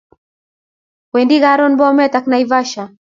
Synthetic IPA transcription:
wɛndiɣaɾɔnbɔmɛtaknaivaʃa

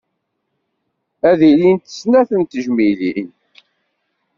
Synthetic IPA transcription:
æðilint̪ə̥snæθənt̪əʒmilin

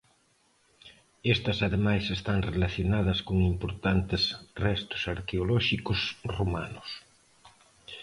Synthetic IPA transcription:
est̪ɐsaðemajsest̪aŋrelaθjonaðɐskoŋimpoɾt̪ant̪ɪsrɛst̪ʊ̥saɾkeolɔʃikʊsromanʊs

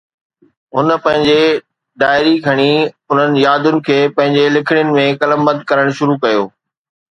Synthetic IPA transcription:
ɦʊnə̆pɐ̃ɦɪ̃ɲd͡ʑe | ɖaːɪɾikʰɐɽ̃i | ʊn̤ənɪ̆jaːd̪ʊnɪ̆kʰeːpɐ̃ɦɪ̃ɲd͡ʑelɪkʰɪɽ̃jʊnɪ̆mẽkɐləmbə̃nd̪̚kɐɾəɽ̃ʃʊɾukɐjoː

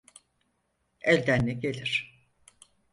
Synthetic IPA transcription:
ɛlʲd̪ænːʲɛɟelʲiɾ̥

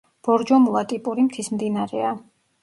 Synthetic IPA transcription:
b̥ɔɾd͡ʒɔmulˠat̪ʼipʼuɾimt̪ʰismd̪inaɾɛa

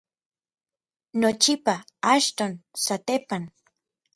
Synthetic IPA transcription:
not͡ʃɪpaaʃt̪onsat̪epaŋ

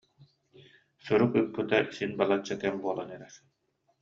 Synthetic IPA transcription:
suɾukɯpːɯt̪asinbalˠat͡ɕːat̪ɛmbuɔlˠanɛɾɛɾ

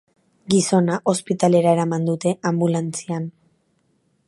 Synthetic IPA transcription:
ɡiso̞naʔo̞spit̪ale̞ɾae̞ɾamand̪ut̪e̞ʔambulant͡sian

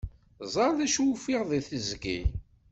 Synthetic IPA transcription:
zˤɑɾˤðæʃwfiʁðˤiθəzɡi

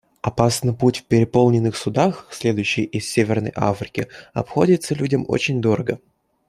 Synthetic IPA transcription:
ɐpasnɨjputʲfpʲɪɾʲɪpo̞lˠnʲɪnːɨxsʊd̪axsʲlʲe̞d̪ʊjɕːɪjʔɪsʲsʲevʲɪrnə̰jʔa̰fɾʲɪkʲɪ̰ɐ̰pxo̞dʲɪt̪səlʲudʲəmo̰t͡ɕɪnʲd̪o̞ɾəɡə

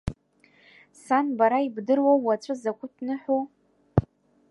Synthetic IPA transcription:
sanbaɾaibdɨrwaːat͡sʷʼɨzakʷʰʼʊtʰnɨħʷo

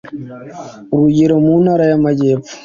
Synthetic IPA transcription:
uɾuɟiɾomunaːɾajamaɟeːpfu̥

